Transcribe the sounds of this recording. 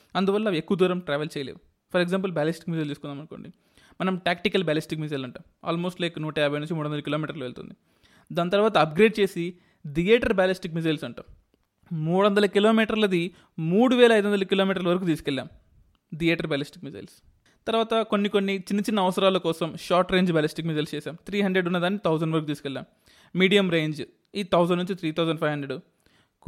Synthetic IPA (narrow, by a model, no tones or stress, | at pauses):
ɐnd̪uʋɐlːɐekːuʋɐd̪uːɾɐmʈɾaːʋelt͡ʃɛːjɐlḛːu | pʰɐɾeɡzaːmp̬ɐlbaːlisʈi̥k̚mizɐjld̪iːskunːaːmɐnko̞̰ːɳɖi | mɐnɐmʈjaːkʈikɐlbaːlisʈikmizɐjlɐɳʈaːma̰ːlmo̞ːsʈlɐjknuːʈɐjaːbʱɐjnunɲt͡ʃimuːɽuɐnd̪lɐkiloːmiːʈɐɾluʋeɭt̪ṵnd̪i | d̪aːnt̪̬ɐɾʋaːt̪ɐɐp̚ɡɾeːɖ̚t͡ʃe̞ːsi | d̪ijeːʈɐɾbaːlisʈikmizɐjlsɐɳʈa̰ːm | muːɽuʋɐnd̪ɐlɐkilo̞ːmiːʈɐɾlɐd̪i | muːɽuʋɛːlɐjd̪uʋɐnd̪ɐlɐkiloːmiːʈ̬ɐɾlɐʋɐɾɐk̬uːt̪̬iːsu̥kɛlːa̰ːm | d̪ijeːʈɐɾbaːlisʈik̚mizɐ̰jls | t̪ɐɾʋaːt̪ɐkonːikonːit͡ʃinːit͡ʃinːɐːʋɐsɐɾaːlɐkɔːsɐmʃaːɾʈɾe̞ːɲd͡ʒbaːlisʈikmizɐjlst͡ʃɛːsaːmt̪ʰɾiːɦɐɳɖɾeɖunːɐd̪aːnːit̪ʰɐwzɐɳɖʋɐɾɐkuːt̪iːsu̥kɛlːa̰ːm | miːɽijɐmɾeːɲd͡ʒ | iːt̪ʰɐwzɐɳɖnuɲt͡ʃit̪ʰɾiːt̪ʰɐwzɐɳɖpʰɐjʋɦɐɳɖɾeɖ